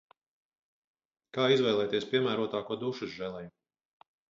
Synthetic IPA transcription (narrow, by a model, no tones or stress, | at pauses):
kaːizvɛjlˠɛːjt̪iɛspiɛmæːɾuɔt̪aːkuɔd̪uʃusʒɛlˠɛj